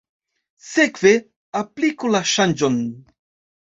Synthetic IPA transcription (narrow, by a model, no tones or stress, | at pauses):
sekve | aplikulaʃand͡ʒon